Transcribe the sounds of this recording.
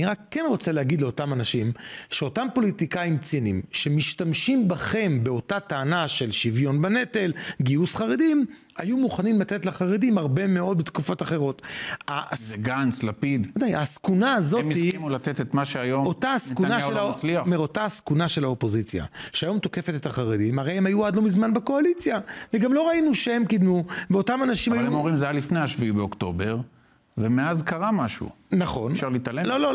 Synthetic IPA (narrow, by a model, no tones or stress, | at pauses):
niʁakːenʁo̞t͡selehaɡid̪leo̞tamanaʃimʃeo̞tampo̞litikaimt͡sinimʃe̞miʃtamʃimbaχe̞mbe̞o̞tataːnaʃe̞lʃivjo̞nbane̞te̞lɡiusχaʁedim | ajumuχanimlat̪etlaχaʁedimaʁbe̞meo̞d̪̚bet̪kufo̞taχe̞ʁo̞t̪azɡanslapid̪ad̪ajaskunaːzomisiimulat̪et̪et̪maʃeajomotaaskunaʃelat͡sliameʁo̞taaskunaʃe̞laopo̞zit͡sja̰ʃeajo̞mt̪o̞ke̞fe̞t̪et̪aχaʁed̪imaʁejhemhajuadlo̞mizmanbeko̞alit͡sjaveɡamlo̞ʁainuʃeemkidmuveo̞tamanaʃimjmomʁimzajalifnejaʃviibeokt̪o̞be̞ʁ | vemeazkaʁamaʃṵː | aχo̞nfʃaʁlit̪alelolo